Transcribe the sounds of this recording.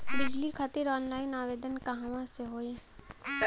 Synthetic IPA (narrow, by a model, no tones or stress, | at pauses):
bɪd͡ʒliːkʰət̪ɪɾɔːnlaːɪnaːʋeːd̪ənkəɦãʋãseɦoːiː